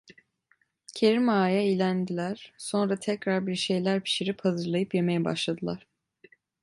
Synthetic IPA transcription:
cʰe̞ɾimaːjaijlʲænd̪ilʲæɾ̥so̞nɾat̪ʰɛcɾaɾbiɾʃe̞jlʲæɾpʰi̥ʃiɾiphazɯɾlˠajɯpje̞mejɛba̰ʃlˠad̪ɯlˠaɾ̥

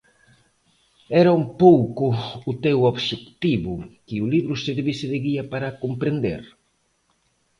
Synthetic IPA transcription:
ɛɾaumpowkʊːt̪ewoβʃekt̪iβʊkɪʊliβɾʊseɾβisɪðɪɣiapaɾakompɾend̪ḛɾ

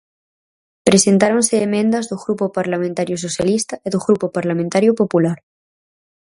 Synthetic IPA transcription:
pɾesẽnt̪aɾonseːmẽnd̪azðoɣɾupopaɾlamẽnt̪aɾjos̬osjalist̪aeðoɣɾupopaɾlamẽnt̪aɾjopopulaɾ

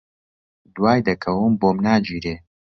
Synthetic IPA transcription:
d̪waːjd̪ɐkʰɐwɨmboːmnaːd͡ʒiːɾeː

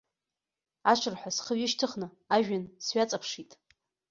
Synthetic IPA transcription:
aʃʷʰɨrħʷasχəɥɪʃtʰɨχnɨ | aʒᶣansɥat͡sʼapʰʂitʼ

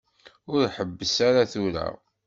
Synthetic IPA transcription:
ʊɾħəbːəsaɾaθuɾæ̰

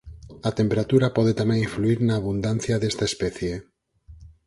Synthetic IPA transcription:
at̪empeɾat̪uɾapɔð̞et̪amẽŋiɱfluiɾnaːβund̪anθjaðest̪aespɛθje

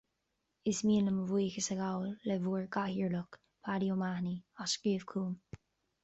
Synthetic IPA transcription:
ɪsmiːləməviːxəsəɡawlːɛvuːɹɡahəɹlʊk | pʰaɾiomahniaʃɡ̥ɹiːv̥kʰuːm

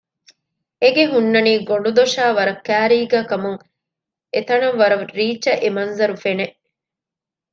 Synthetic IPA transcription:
eɡeɦunːɐniːɡoɳɖud̪oʃaːʋɐɾɐkːæːɾiːɡæːkɐmuŋ | et̪ɐnɐʋʋɐɾɐɾiːt͡ʃːɐʔemɐnzɐɾufene

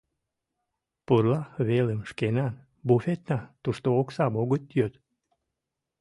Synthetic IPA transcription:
purlɑβeləmʃkenɑn | bufet̪nɑt̪uʃt̪oːksɑboɣət̪jøt̪

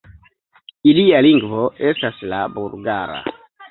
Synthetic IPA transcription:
ilialiŋɡvoestaslabuɾɡaɾa̰

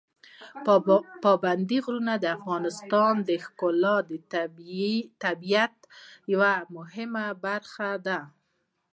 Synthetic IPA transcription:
pɑband̪iɣɾunad̪əafɣɑnɪst̪ɑnd̪əxkʊlɑd̪ə | t̪abijat̪jawamʊhɪmabaɾxad̪a

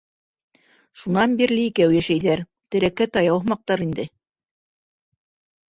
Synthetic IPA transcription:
ʃunɑnbiɾlɘikæwjæʃæjðæɾ | t̪ɘ̆ɾækːæt̪ɑjɑwmɑq̚t̪ɑɾind̪ɘ

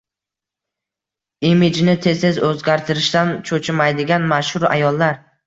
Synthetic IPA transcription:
imɪd͡ʒnɪt̪ʰe̞zezɵzɡʲaɾt̪ʰɪɾɪʃt̪ant͡ʃʰɵt͡ʃʰɪmajd̪ɪɡʲanmaʃhʊɾa̰jɒlˠːaɾ

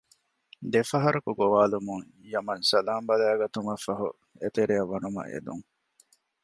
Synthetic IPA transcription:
d̪efɐɦɐɾɐkuɡoʋaːlumuŋ | jɐmɐnsɐlaːmbɐlæːɡɐt̪umɐfɐɦṵ | et̪eɾiɐʋːɐnumɐ̰ʔḛd̪ṵŋ

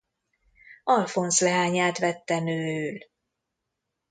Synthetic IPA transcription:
ɒlfonslɛɦaːɲaːt̪ʋɛt̪ːɛnøːøːl

